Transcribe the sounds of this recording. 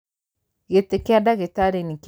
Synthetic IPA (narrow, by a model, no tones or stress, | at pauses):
ɣetekeadaɣetaɾenik